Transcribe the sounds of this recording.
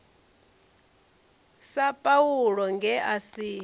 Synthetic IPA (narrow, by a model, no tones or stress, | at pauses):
sapʼauɺɔŋɡʱɛʔasiː